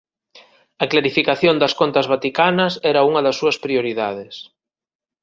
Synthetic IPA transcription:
ɐklaɾifikaθjond̪ɐskont̪ɐzβat̪ikanɐsɛɾɐuŋɐðɐsːuɐspɾioɾiðaðɪs

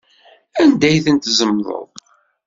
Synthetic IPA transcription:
ænd̪æjθənt̪zəmðˤə̰ðˤ

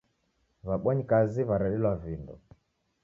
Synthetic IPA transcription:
βaɓwɔɲikaziβaɾaɗilwavindɔ̰

